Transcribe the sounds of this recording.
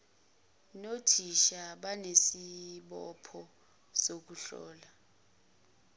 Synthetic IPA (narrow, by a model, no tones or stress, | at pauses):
notʰiʃaɓanesiɓɔpʰɔ | sok̬uɬɔ̰ːla